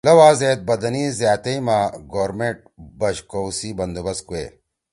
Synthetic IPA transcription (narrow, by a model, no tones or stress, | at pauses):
lɐwaːzeːt̪̚bɐd̪ɐniːzjaːt̪ɐimaːɡoːɾmeʈ̚bɐɕkowsiːbɐnd̪ubɐskuḛ